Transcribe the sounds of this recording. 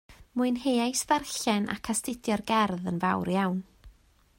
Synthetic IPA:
muɨnɦejajsvɛrɬɛnʔa̰kʰastɪdjɔrɡɛrðənvawɾjawn

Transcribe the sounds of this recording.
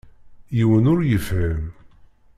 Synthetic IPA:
jiwənʊɾjəfhəm

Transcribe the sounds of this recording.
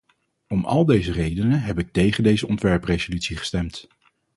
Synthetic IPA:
ɔmɑ̰lˠdejzərejdənəɦɛpɪk̚tejχəndejzəɔntʋɛɹprezolytsiχə̥stɛmt

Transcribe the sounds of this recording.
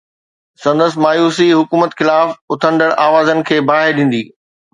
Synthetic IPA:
sɐ̃nd̪əsɪ̆maːjuːsiɦʊkuːmət̪xɪlaːfʊt̪ʰə̃ɳɖ̪əɽ̃ʔaːʋaːzənɪ̆kʰeːbaːɦɪɾɗĩːn̆d̪iː

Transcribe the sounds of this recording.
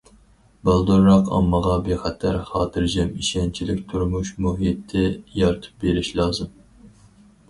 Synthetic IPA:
bɑlˠd̪uɾːɑqɑ̰mːəʁɑbeχɛt̪ʰæɾχɑːt̪ʰɨɾd͡ʒɛmiʃɛnt͡ʃʰilɪkʲt̪ʰuɾmuʃmuɦit̪ʰːɪjɑɾt̪ʰɨ̥p̚beɾiʃlˠɑːzɨm

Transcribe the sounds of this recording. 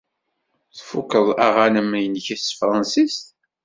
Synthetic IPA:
θfukːəðˤæ̰ʁanəmjənçæst̪fɾˤɑnsist̪

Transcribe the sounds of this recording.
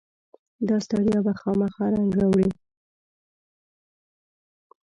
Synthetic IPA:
d̪ɑst̪ɑd̪jɑbaxɑmaxɑɾaŋɡawɽi

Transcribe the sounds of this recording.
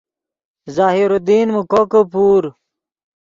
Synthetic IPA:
zaːɦiɾod̪iːnmukokəpuːɾ

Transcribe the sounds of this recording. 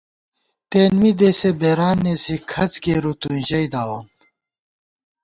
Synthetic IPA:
t̪eːnmid̪eːsebeːɾaːnːesikʰɐt͡sɡeːɾut̪unʑɐjd̪aːwon

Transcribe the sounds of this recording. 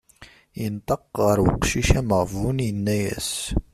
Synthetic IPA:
jənt̪ˤɑqʁəɾwəqʃiʃæməʁvunjənːæjæ̰s

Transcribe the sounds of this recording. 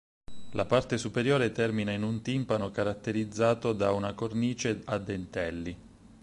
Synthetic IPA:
lʔapart̪esupeɾjoːɾet̪ɛrminainunt̪impanokaɾat̪ːeɾid̪zːaːt̪od̪aunakorniːt͡ʃead̪ːent̪ɛlːi

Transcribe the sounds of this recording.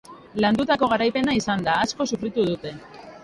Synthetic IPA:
land̪ut̪ako̞ɣ̞aɾajpe̞naisand̪aːsko̞sufɾit̪uðut̪e̞

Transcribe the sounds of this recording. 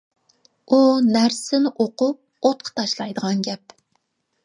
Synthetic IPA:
unæɾsɪnɪʔoqʊp̚ | ot̪̚qʰɑ̥t̪ʰɑʃlˠɑjd̪əʁɑnɡʲɛp̚

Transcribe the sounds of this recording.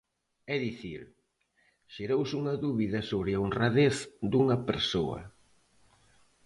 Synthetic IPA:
ɛðiθiɾ | ʃeɾowsuŋɐðuβiðɐsoβɾɪonraðeθd̪uŋɐpeɾsoɐ̰

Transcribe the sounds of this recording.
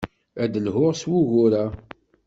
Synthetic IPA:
æd̪əlɦʊʁswuʝʊɾa

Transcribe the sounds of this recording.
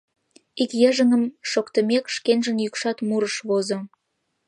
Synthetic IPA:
ikjəʒəŋəmʃokt̪əmekʃkenʒənjykʃɑt̪muɾəʃβozo

